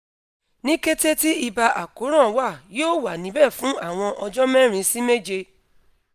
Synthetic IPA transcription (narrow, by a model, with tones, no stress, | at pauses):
nĩ˦ke˦te˦ti˦i˧ba˧ʔa˨ko˨˦ɾ̃ã˦˨˦wa˦˨joː˦˨wa˨nĩ˨˦bɛ˦˨fũ˨˦a˦˨w̃ɔ̃˧ʔɔ˧d͡ʒɔ˦mɛ̃˦ɾ̃ĩ˨˦si˦me˦d͡ʒe˧